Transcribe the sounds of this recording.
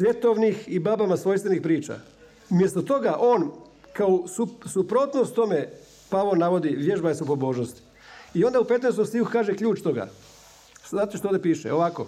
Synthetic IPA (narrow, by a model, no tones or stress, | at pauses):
sʋʲje̞t̪oʋnixibabamasʋo̞jst̪ʋenixpɾiːt͡ʃa̰ | umjest̪ot̪o̞ɡaʔo̞ːn | kaosusupɾot̪nost̪o̞me | paʋonaʋo̞d̪iʋjeʒbajesupo̞bo̞ːʒnost̪i̥ | io̞nd̪aupe̞t̪nest̪omst̪iukukaːʒekʎʲuːt͡ʃt̪o̞ɡa̰ | zaːt̪eʃt̪od̪epiːʃḛoʋako̰